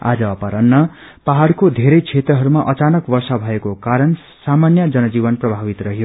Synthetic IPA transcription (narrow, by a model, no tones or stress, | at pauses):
a̰d͡zʌʌpaɾʌnːʌ | paɦaɽkod̪ʱeɾʌjt͡sʰet̪rʌɦʌɾumaʔʌt͡sanʌkbʌrsʌbʱʌekokaɾʌn | samanjʌd͡zʌnʌd͡zibʌnprʌbʱabit̪rʌɦjo